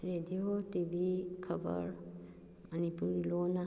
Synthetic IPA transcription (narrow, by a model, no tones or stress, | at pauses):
ɾed̪iotibʱikʰəbə̰ɾ | ɐnipuɾilona